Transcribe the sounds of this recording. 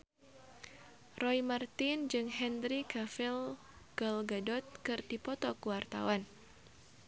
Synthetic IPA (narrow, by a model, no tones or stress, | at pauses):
rɔjmart̪ɪnd͡ʒɨŋɦɛndɾikafɪl | ɡ̥ɔlɡadɔt̪̚kɨrdipɔt̪ɔkuwart̪a̰wan